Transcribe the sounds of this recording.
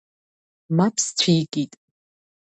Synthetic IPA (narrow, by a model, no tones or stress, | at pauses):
mapʰst͡sʷʰijkʼitʼ